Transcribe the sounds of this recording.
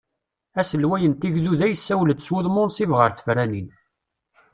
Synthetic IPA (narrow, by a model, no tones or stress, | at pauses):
æsəlwæjənt̪iʝðuðæjəsːæwləd̪swʊðˤmʊnsivʁəɾθə̥fɾænin